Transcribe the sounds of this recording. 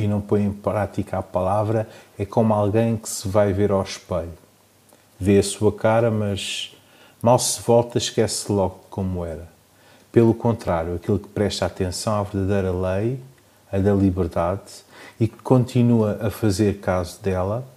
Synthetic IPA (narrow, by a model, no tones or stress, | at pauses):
inɐ̃w̃põj̃ẽj̃pɾat̪ikapɐlˠavɾɐɛkomualˠɣɐ̃j̃kɨ̥sɨvajveɾawʃpɐju | veɐsuɐkaɾɐmɐʒ | malˠsɨvɔlˠt̪ɐʃkɛslˠɔɣkomuɛɾɐ | pelˠukõnt̪ɾaɾjuɐkilˠkpɾɛʃt̪at̪ẽsɐ̃w̃avɨɾðɐðɐjɾɐlˠɐj | ɐðɐlˠiβɨɾðaðikɨ̥kõnt̪ʰinuɐʔɐfɐzeɾkazud̪ɛlˠɐ